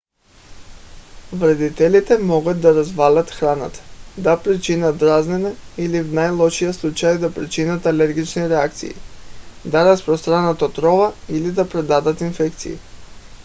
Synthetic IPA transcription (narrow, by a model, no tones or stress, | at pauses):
vɾɛd̪it̪ɛlit̪ɛmɔɡət̪̚d̪ɐɾɐzvalʲət̪xɾanət̪ə̥d̪apɾit͡ʃinət̪ɾaznɛnɛilivnajlˠɔʃijəslˠut͡ʃajd̪apɾit͡ʃinət̪ɐlɛɾɡit͡ʃniɾɛak̚t̪sḭːd̪aɾɐspɾost̪ɾanət̪ot̪ɾɔvəilid̪ɐpɾɛd̪ad̪ət̪infɛkt̪sḭḭ